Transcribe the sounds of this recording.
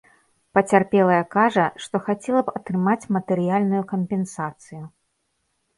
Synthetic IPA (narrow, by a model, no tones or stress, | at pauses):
pɐt͡sʲarpʲɛlˠɐjɐkaʐɐʂt̪ɔxat͡sʲɛlˠɐpɐt̪ɾɨmat͡sʲmɐt̪ɛɾɨjalʲnujukɐmpʲɛnsat̪sɨju